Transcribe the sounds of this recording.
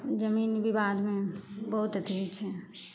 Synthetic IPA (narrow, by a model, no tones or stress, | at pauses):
d͡ʒəmiːnbibad̪mẽbəɦut̪ət̪it͡ʃʰɛ